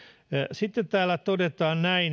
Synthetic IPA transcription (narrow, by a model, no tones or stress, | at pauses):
sit̪ːet̪t̪æːlːæt̪odet̪ɑːnnæin